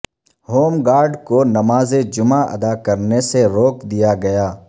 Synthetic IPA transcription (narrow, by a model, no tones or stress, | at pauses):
hoːmɡaːɾɖkonɐmaːzed͡ʒʊmaɐ̰d̪akɐɾneseɾoːkd̪ijaɡɐjaː